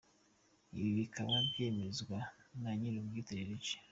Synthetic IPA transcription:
iβiβikaβambjeme̞zɡwanaɲiɾubjitaɾeɾece̥

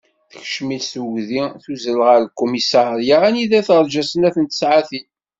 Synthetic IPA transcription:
θə̥çʃmilsuʝðiθuzəlʁəɾlkːumisɑɾɾjaæniðæθəɾˤd͡ʒæsənæθənt̪ə̥sʕaθi

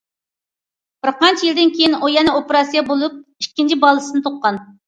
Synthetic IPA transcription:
b̥ɪɾqɑnt͡ʃʰijild̪ɪnkʲʰejinojɛnɛopeɾɑsijɑbolˠup̚iʃkʲːint͡ʃʰibɑlˠːɨsɨnɨt̪ʰoqːɑn

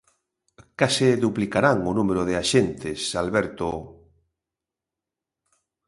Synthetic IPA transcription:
kaseðuplikaɾaŋonũmeɾoðeaʃent̪esalβɛɾt̪o

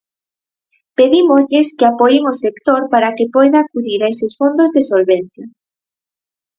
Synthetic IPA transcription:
peðimozʎɪskeapojɪŋosekt̪oɾpaɾakepojðaːkuðiɾaesɪsfond̪ozðesolβen̟θja

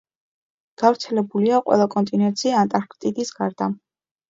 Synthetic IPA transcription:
ɡ̥avɾt̪sʰɛlɛbuliaqʼwɛ̰lˠakʼɔnt̪ʼinɛnt̪sʰiaant̪ʼaɾkʼt̪ʼid̪isɡ̥aɾd̪a

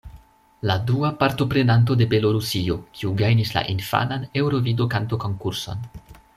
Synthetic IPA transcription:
laduapaɾto̞pɾe̞nant̬o̞de̞be̞lo̞ɾusio̞kʰiuɡajnisla̰ʔinfa̰nane̞wɾo̞vido̞kanto̞ko̞ŋkuɾso̞̰n

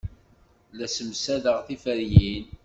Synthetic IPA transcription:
læsəmsæðəʁθifəɾjin

